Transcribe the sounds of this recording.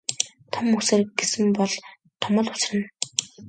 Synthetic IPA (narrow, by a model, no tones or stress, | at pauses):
t̪ʰɔmːuseːrɡesɘ̆mpɔɮ | t̪ʰɔmə̆ːɮʊ̥t͡srɘ̆n